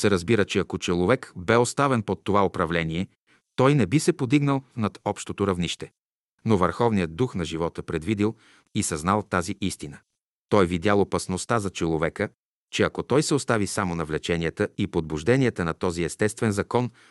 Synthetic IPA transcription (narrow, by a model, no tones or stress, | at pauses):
sɛɾɐzbiɾət͡ʃɛɐkot͡ʃɛlˠovɛkbɛost̪avɛnpot̪ːovaopɾɐvlɛniɛ | t̪ɔjnɛbisɛpod̪iɡnəlˠnɐt̪ɔpʃt̪ot̪oɾɐvniʃt̪ɛ | novəɾxɔvnijəd̪̚ːuxnɐʒivɔt̪əpɾɛd̪vid̪ilˠ | isɐznalˠt̪aziʔist̪inə | t̪ɔjvid̪ʲalˠopɐsnost̪azɐt͡ʃɛlˠovɛkə | t͡ʃɛɐkot̪ɔjsɛost̪avisamonɐvlɛt͡ʃɛniət̪əipod̪̚buʒd̪ɛniɛt̪ənɐt̪ɔziɛst̪ɛst̪vɛnzɐkɔn